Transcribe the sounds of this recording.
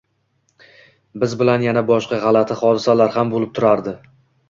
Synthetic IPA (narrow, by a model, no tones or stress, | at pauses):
bɪzbɪlanjanabɒʃqɑʁɑlat̪ʰɪχɒd̪ɪsalaɾhambolɪp̚t̪ʰʊɾaɾd̪ɪ